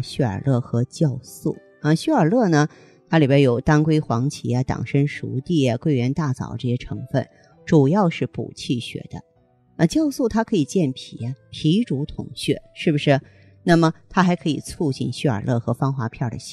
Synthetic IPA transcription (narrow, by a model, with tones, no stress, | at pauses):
ɕɥɛ˥˩ə̰˞˨˩lɤ˥˩xɤ˧˥t͡ɕjɑ˥˧ʊsu˥˩ | ə˧ɕɥɛ˥˩ə˞˨˩lɤ˥˩nə˩ | t̪ʰa˥li˨˩e˧˥jo˨˩ʊt̪a˥nkwe˥ɪxwɑ˧˥ŋt͡ɕʰi˧˥a˧t̪ɑ̰˨˩ŋʂə˥nʂṵ˧˥t̪i˥˩jɐ˩kwe˥˩ɪɥɛ˧˥nt̪a˥˩t͡sɑ̰˨˩ʊʈ͡ʂɤ˥˩ɕjɛ˥ʈ͡ʂʰɤ˧˥ŋfə̰˥˩n | ʈ͡ʂu˨˩jɑ˥˧ʊʂɻ̩˥˩pṵ˨˩t͡ɕʰi˥˩ɕɥɛ̰˨˧˩d̪̥ə̰˦ | ə˧t͡ɕjɑ˥˧ʊsu˥˩t̪ʰa˥kʰɤ˧˥i˨˩t͡ɕjɛ˥˩npʰḭ˨˩ɐ˦pʰi˧˥ʈ͡ʂu˧˥t̪ʰʊ̰˨˧˩ŋɕɥɛ˥˩ʂɻ̩˥˩bu˩ʂɻ̩˥˩ | na˥˩mə˩t̪ʰa˥xa˧˥ɪkʰɤ˧˥i˨˩t͡sʰu˥˧t͡ɕḭ˥˩nɕɛ˥˩ə̰˞˨˩lʔɤ˥˩xɤ˧˥fɑ˥ŋxwa˧˥pʰjɑ˥˩ʊd̪ə̰˩ɕ